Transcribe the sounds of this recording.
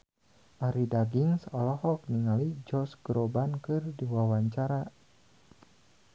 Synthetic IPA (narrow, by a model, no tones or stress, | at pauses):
ʔaɾidaɡiŋsɔlɔhɔk̚niŋalid͡ʒɔsɡɾobankɨrdiwawaɲt͡ʃaɾa